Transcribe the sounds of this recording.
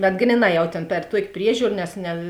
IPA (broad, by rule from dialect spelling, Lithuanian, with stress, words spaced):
bʲɛt ˈɡrʲiːˌnɑː ˈjɛʊ tʲeːn pʲɛr ˈtuɔkʲ ˈpʲrʲiɛʒʲuːr nʲɛs nʲɛ